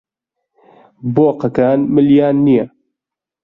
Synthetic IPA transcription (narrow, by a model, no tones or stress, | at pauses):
boːqɐkaːnmɨljaːnːija